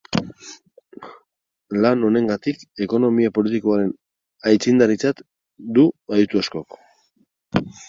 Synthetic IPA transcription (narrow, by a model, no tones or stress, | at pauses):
lano̞ne̞ŋɡat̪ike̞ko̞no̞miapo̞lit̪ikoaɾe̞n | ajt͡sind̪aɾit͡sat̪ | d̪uajut̪uasko̞k